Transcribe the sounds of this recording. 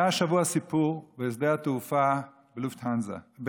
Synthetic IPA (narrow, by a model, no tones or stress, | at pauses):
aʃavuaasipuʁbees̬d̪eat̪ufa | beluft̪hanza̰b